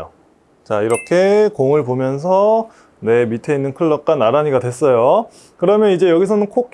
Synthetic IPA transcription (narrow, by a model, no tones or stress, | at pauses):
o | t͡ɕaiɾʌkʰe̞koŋɯɭpomjʌnsʰʌ | ne̞mitʰe̞inːɯnkʰɯɭːʌk͈anːaɾaɲiɡadwe̞s͈ʌjo | kɯɾʌmjʌnid͡ʑe̞jʌɡis̬ʰʌnɯnkʰok